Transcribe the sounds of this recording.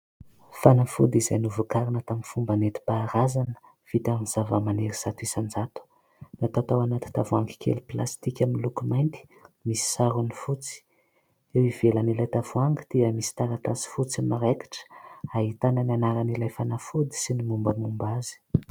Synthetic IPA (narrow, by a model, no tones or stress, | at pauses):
fanafṵd̪izajnuvukaɾinət̪aminfumbanet̪i̥paːɾazanə̥ | v̥it̪amniz̥avəmaneɾiz̥at̪uisand͡zat̪u̥ | nat̪at̪awanat̪i̥t̪avuaŋɡi̥kʰḛliplast̪ikʲaminlukumajnt̪i̥misi̥saɾunifut͡si̥ | ewivelanilajt̪avuaŋɡət̪iəmisi̥t̪aɾat̪asi̥fut͡simaɾeki̥ʈ͡ʂə̥aɦit̪anənanaɾanilajfanafud̪i̥sinimumbəmumbazi̥